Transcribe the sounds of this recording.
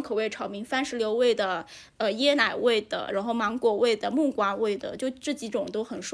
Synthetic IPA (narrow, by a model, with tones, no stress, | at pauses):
ŋkʰɤ˨˩we˥˩ʈ͡ʂʰɑ˧˥ʊmi˧˥ŋfa˥nʂɻ̩˧˥ljo˧˥ʊwe˥˩ɪd̪ə˩ | ə˧jɛ˥na˨˩ɪwe˥˩ɪd̪̥ə̰˩ɻʔa˧˥nxo˥˩ʊmɑ˧˥ŋkwɔ˨˩we˥˩ɪd̪ə˩mu˥˩kwa˥we˥˩ɪd̪ə̰˩t͡ɕjo˥˧ʊʈ͡ʂ̩˥˩t͡ɕi˧˥ʈ͡ʂʊ˨˩ŋt̪o˥ʊxə˨˩nʂ